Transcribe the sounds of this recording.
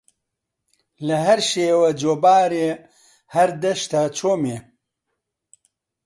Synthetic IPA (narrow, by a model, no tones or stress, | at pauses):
lɐɦɐɾʃeːwɐd͡ʒoːbaːɾe | hɐɾd̪ɐʃt̪at͡ʃʰoːme